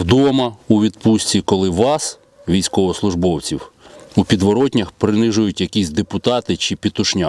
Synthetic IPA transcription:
wd̪ɔmɐuʋʲid̪̚pusʲtʲt͡sʲikɔlˠɪʋɑs | ʋʲijsʲkɔʋɔslˠʊʒbɔwt͡sʲiwupʲid̪ʋɔɾɔtʲnʲɐxpɾɪnɪʒʊjʊtʲjɐkʲisʲd̪epʊt̪ɑt̪ɪt͡ʃɪpʲit̪ʊʃnʲa

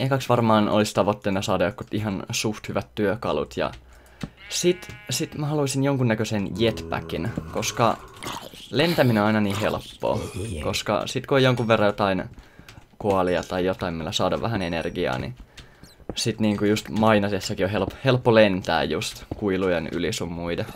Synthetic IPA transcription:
ehkɑksʋɑrmɑːnʔo̰list̪ɑʋot̪ːeːnɑsɑːdɑjotkut̪iɦɑnsuht̪hyʋæt̪tyøkɑlṵt̪jɑ̰ | sit̪sit̪mæhɑluisinjoŋkunnækøsenjet̪pæ̰kinkoskɑ | lent̪æmineonɑinɑniːhḛlpːo̰ːkoskɑ̰sit̪kuojoŋkuʋʋerːɑjot̪ɑin | koɑliɑt̪ɑijot̪ɑimilːæsɑːdɑʋæhænenḛrɡiɑ̰ːnḭ | sit̪niːŋkujust̪mɑinɑsesːɑkioɦelphelpːolent̪æ̰ːjjust̪kuilujeny̰lisumːuidɑ

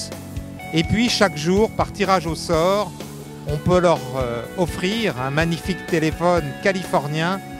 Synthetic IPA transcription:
epɥiʃakʒuːʁpaʁt̪iʁaʒosɔʁ | ɔ̃pølœʁøɔfχiʁɛ̃maɲifikt̪elefɔnkalifɔʁnjɛ̃

